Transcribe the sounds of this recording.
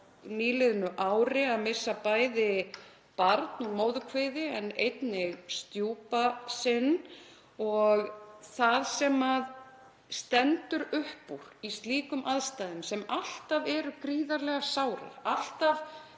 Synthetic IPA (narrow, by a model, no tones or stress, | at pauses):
niːlɪðʏnʏʔaːwɾɪaðmɪ̥sːapaːjðɪ | paɾt̪nɔɣmoːwðʏkʰvɪðɪɛnḛjt̪nɪɣst̪juːpasɪnː | ɔɣθaðsɛmað | st̪ɛnt̪ʏɾʏhpuɾ̥ist̪liːkʏmʔaðst̪ajðʏmsɛmal̥t̪avɛɾʏkɾiːðaɾlɛɣasawɾa̰al̥t̪av